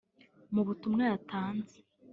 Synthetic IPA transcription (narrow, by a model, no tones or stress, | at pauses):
muβutumŋejatʰaːnze